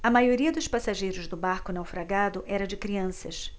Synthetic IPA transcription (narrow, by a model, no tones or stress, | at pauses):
ɐmajoɾiɐd̪ʊspasaʒejɾʊzd̪ʊbaɾkʊnawfɾaɡad̪ʊʔɛɾɐd͡ʒɪkɾiɐ̃sɐs